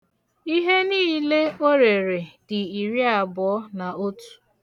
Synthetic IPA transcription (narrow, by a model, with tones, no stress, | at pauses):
i˦ɦe˦niː˦le˦o˦ɾe˨ɾe˨d̥ɪ˨i˨ɾi˦a˨bɔ˨ɔ˦na˨o˦tu̥˨